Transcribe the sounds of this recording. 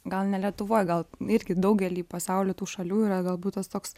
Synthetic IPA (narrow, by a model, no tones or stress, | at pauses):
ɡɐlˠnʲɛlʲiɛt̪ʊʋoːjɡɐlˠɪɾʲɡʲɪd̪ɐʊɡʲɛlʲiːpɐsɑʊlʲʊt̪uːʃɐlʲuːiːɾɐɡɐlˠbuːt̪t̪ost̪oːks